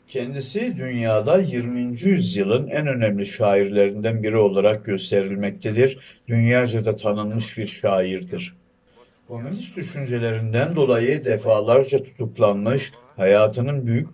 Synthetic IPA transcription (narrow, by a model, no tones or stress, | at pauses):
cʰɛnd̪isid̪ynjaːd̪ajiɾmiːnd͡ʒijyzjɯlˠɯnænø̞nɛmlʲiʃaːiɾlʲe̞ɾind̪ænbiɾio̞lˠaɾak̚ɟø̞st̪ʰe̞ɾilʲmɛc̚t̪ʰed̪iɾd̪ynjaːd͡ʒad̪at̪ʰanɯnmɯʃbiɾʃaːjiɾd̪iɾ̥ | kʰo̞mynʲist̪d̪yʃynd͡ʒe̞lʲe̞ɾind̪ænd̪o̞lˠajɯd̪ɛfaːlˠaɾd͡ʒat̪ʰu̥t̪ʰuklˠanmɯʃ | hajaːt̪ʰɯnɯnbyjyc̚